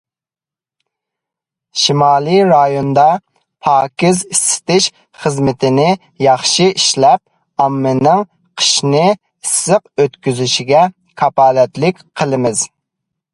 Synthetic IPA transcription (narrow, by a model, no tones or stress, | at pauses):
ʃimɑːlˠiɾɑjond̪ɑ | pʰɑːkʲɪzisːɪ̥t̪ɪʃ | χəzmɪt̪ʰɪnɪ | jɑχʃɨiʃlɛp̚ | ɑmːɪnɪŋ | qʰə̥ʃnɪ | isːɨq̚øt̪kʲyzyʃiɡʲɛ | kʰɑpɑːlɛt̪lɪkʲqʰəlˠɨmɪz̥